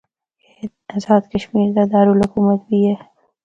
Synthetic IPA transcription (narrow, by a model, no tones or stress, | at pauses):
ke | ɐzɑːd̪kɐʃmiːɾd̪ad̪aːɾulɦʊkuːmət̪̚bʱiɦɛː